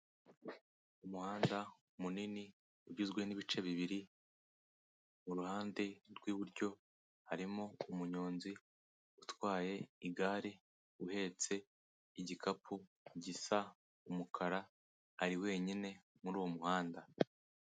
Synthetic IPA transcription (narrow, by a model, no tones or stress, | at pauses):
umuhaːnda | umunini | uɟizɡwe̞niβit͡ʃe̞βiβiɾi | muɾuhaːnde̞ɾɡwiːβuɾɟo̞ | haɾimoumuɲoːnzi | utwaːje̞iɡaːɾe | uhe̞ːt͡se̞ | iɟikʰapʰu | ɟisa | umukʰaɾaː | ɾiwe̞ːɲine̞ | muɾuːwo̞muhaːnda